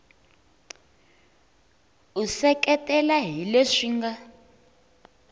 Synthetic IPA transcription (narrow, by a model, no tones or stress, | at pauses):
usɛkɛtʼɛlaɦileʂiːŋɡa